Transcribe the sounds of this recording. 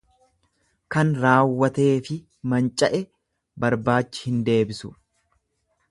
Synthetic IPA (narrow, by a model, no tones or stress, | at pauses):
kɐnɾaːwːɐt̪e̞ːfɪ | mɐnt͡ʃʼɐʔɛ | bɐɾbaːt͡ʃːɪ̥hɪnd̪e̞ːbɪsʊ̥̰